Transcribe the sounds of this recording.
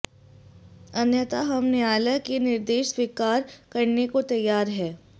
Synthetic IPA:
ɐnjət̪aɦɐmneaːləkenɪɾd̪eːʃswɪkaːɾkɐɾnekot̪ɐjːaːɾɦɛː

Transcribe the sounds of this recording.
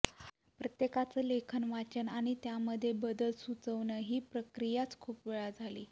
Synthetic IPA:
pɾət̪jekat͡səlekʰənʋat͡ɕənaɽ̃it̪jaməd̪ʱːjebəd̪əlsut͡səʋɳəɦiːpɾəkɾijat͡skʰuːpʋeɭad͡zʱaliː

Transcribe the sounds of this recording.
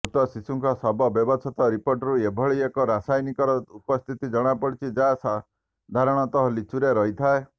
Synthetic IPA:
ut̪ɔsisuŋkɔsɔbɔbjɔbɔt͡ʃʰɔt̪ɔɾipoɾʈɔɾuebʱɔɭiekɔɾasajnikɔɾɔupɔst̪ʰit̪id͡ʒɔɽ̃apɔɽit͡ʃʰid͡ʒasa | d̪ʱaɾɔɽ̃ɔt̪ɔɦɔlit͡ʃuɾeɾɔɦit̪ʰae

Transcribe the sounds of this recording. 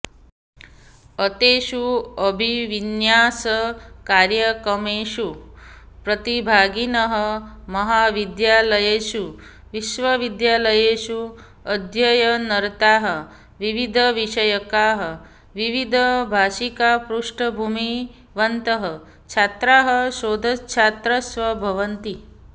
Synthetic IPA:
ət̪eːʃuəbʱiʋinjaːsɐkaːɾjɐkəmeːʃu | pɾət̪ibʱaːɡinɐɦəmɐɦaːʋid̪jaːləjeːʃu | ʋiʃʋɐʋid̪jaːləjeːʃu | ɐd̪ʱjɐjɐnɐɾt̪aːɦɐ | ʋiʋid̪ʱɐʋiʂɐjɐkaːɦə | ʋiʋid̪ʱəbʱaːʃikaːpɾuʂʈʰɐbʱumi | ʋɐnt̪ɐɦə | t͡ʃʰaːt̪ɾaːɦɐʃoːd̪ʱɐt͡ʃʰaːt̪ɾɐsʋɐbʱɐʋɐnt̪i

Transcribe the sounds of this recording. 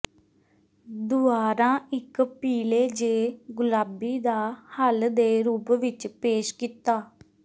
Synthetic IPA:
d̪ʊaːɾãːɪkpiːleːd͡ʒeːɡʊlaːbiːd̪aːhəld̪eːɾuːpʋɪt͡ʃpeːʃkit̪aː

